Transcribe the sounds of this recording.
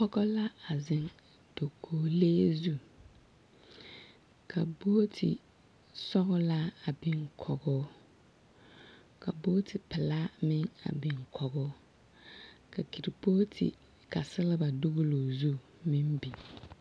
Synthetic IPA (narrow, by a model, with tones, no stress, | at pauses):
pɔ˦ɡɔ˦la˦a˨zɪ˦ŋ | d̥o˨kʰoː˨leː˦zu˦ | kʰa˨boː˦tʰɪ̰˨ | sɔ˦ɣʊ˦la˦a˨bɪ˨ŋkʰɔ˨ɡʊː˦ | ka˨boː˦tʰɪ˨pɪ˨la˦mɪ˦ŋa̰˨bɪ˨ŋkʰɔ˨ɡʊː˦ | ka˨ki˨ɾi˨poː˦tʰɪ̰˨ | ka˨sɪ˦lɪ˦ba˨do˦ɣʊ˦lo˨zu˦ | mɪ˦mbi˨